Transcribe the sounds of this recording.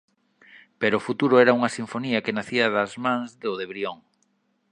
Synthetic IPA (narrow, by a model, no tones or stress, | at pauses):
peɾʊfut̪uɾʊɛɾɐuŋɐsiɱfoniɐkenaθiɐðɐzmãŋzðʊðeβɾioŋ